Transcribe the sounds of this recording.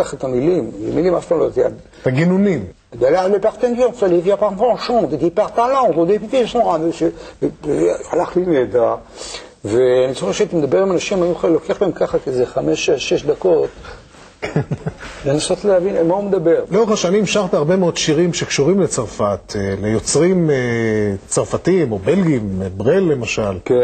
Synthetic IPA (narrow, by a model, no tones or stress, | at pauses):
aχet̪amilimlemilimafpalot̪a̰d | t̪aɡinunim | daleabepaʁt̪enɡonsalivjapaʁvoʃõt̪ed̪ipaʁt̪alaod̪epit̪iaʃmoʁadeʃe | alaχlined̪aʁ | veanit͡soxeχʃeat̪amed̪abeʁimanaʃimajiuχalokeaχlaemkaχakizeχameʃeʃeʃd̪akot̪ | kʰenlenaso̞t̪leavinmaumed̪abeʁloʁeχaʃanimʃaʁt̪iaʁbe̞meo̞d̪ʃiʁimʃekʃuʁimlet͡saʁfat̪elejo̞t͡sʁimet͡saʁfatimo̞belɡimbʁelːe̞maʃalke